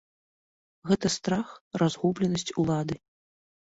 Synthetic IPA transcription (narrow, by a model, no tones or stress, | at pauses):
ɣɛt̪ɐst̪ɾaxrʔazɣublʲɛnɐsʲt͡sʲulˠad̪ɨ